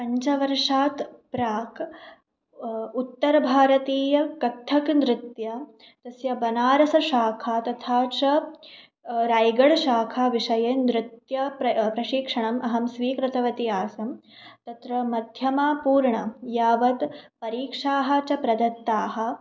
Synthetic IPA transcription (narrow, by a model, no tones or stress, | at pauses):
pɐɲt͡ʃɐʋɐɾʂaːt̪pɾaːk | ut̪ːɐɾɐbʱaːɾɐt̪iːjɐkɐt̪ʰːɐknd̪ɾɪt̪jɐ | t̪ɐsjɐbɐnaːɾɐsɐʃaːkʰaːt̪ɐt̪ʰaːt͡ʃɐ | ɾaːjɡɐɽʃaːkʰaːʋiʂɐjend̪ɾɪt̪jɐpɾɐpɾɐʃiːkʂɐɳɐmʔɐɦɐmsʋiːkɾɪt̪ɐʋɐt̪iaːsɐm | t̪ɐt̪ɾɐmɐd̪ʱjɐmaːpuːɾɳɐjaːʋɐt̪pɐɾiːkʂaːɦɐ̆t͡ʃɐpɾɐd̪ɐt̪ːaːɦɐ̆